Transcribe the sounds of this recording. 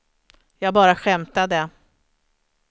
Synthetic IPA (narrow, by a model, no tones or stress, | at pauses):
jɑːɡbɑːɾaɧɛmt̪ad̪ɛ